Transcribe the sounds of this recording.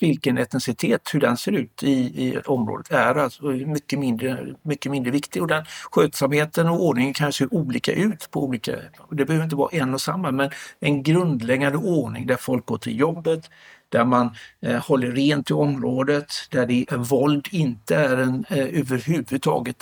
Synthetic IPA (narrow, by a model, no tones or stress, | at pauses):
vɪlkənɛt̪ːɛnsɪt̪ʰeːt̪hɵɖɛnseːɾʉ̟ːt̪ɪːɔmɾo̰ːd̪ət̪æɾalsɔɛmʏkːəmɪnd̪ɾəmʏkːəmɪnd̪ɾəvɪkt̪ɪɡɔd̪ɛnɧøːt̪samheːt̪ənɔoːɳɪŋənkʰanseːʔuːliːka̰ʔʉ̟ːt̪pʰɔuːliːka̰ɔd̪ɛbɛhøːɾɪnt̪əvɑ̰ːaʔɛnːɔsamːamɛnɛnɡɾɵnd̪lɛɡand̪əʔoːɳɪ̰ŋd̪æɾfɔlk̚ɡo̰ːʈʰɪ̰ljɔbːət̪ | d̪̥æɾmanhɔlːəɾːeːnt̪ʰɪɔmɾoːd̪ət̪d̪̥æɖɛvɔld̪ɪnt̪əæɾɛnøːvəɾɦʉvʉd̪̚t̪ʰɑ̰ːɡət̪